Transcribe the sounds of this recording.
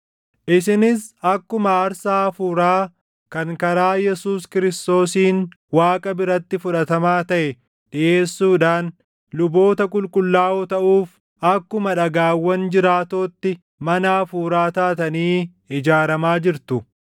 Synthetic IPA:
ʔɪsɪnɪsɐkːʊmɐːɾsaːfuːɾaː | kɐŋkɐɾaːjɛsuːskɪɾɪst̪o̞ːsiːnwaːkʼɐbɪɾɐt̪ːɪfʊᶑɐt̪ɐmaːt̪ɐʔɛ | ᶑɪʔe̞ːsːuːᶑaːn | lʊbo̞ːt̪ɐkʼʊlkʼʊlːaːʔɔt̪ɐʔuːf | ɐkːʊmɐᶑɐɡaːwːɐnd͡ʒɪɾaːt̪o̞ːt̪ːɪ | mɐnaːfuːɾaːt̪aːt̪ɐniː | ɪd͡ʒaːɾɐmaːd͡ʒɪɾt̪ʊ

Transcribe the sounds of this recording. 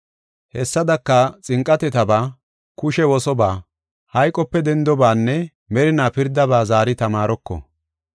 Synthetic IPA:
hɛsːɐd̪ɐkːɐt͡sʼɪŋkʼːɐt̪ɛt̪ɐbaː | kʊʃɛwɔsɔbaː | hɐjkʼːɔpːɛd̪ɛnd̪ɔbaːnːɛ | mɛɾɪnaːpɪɾd̪ɐbaːzaːɾɪt̪ɐmaːɾɔkːɔ̰

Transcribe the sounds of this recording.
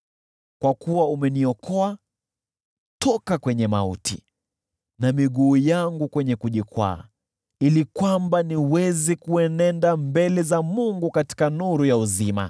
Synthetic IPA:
kwakuwaumɛniɔkɔa | tʰɔkakwɛɲɛmaṵtḭ | namiɠuːjaŋɡukwɛɲɛkuʄikwa̰ː | ilikwambaniwɛzikuɛnɛndambɛlɛzamuŋɡukati̥kanuɾujauzima̰

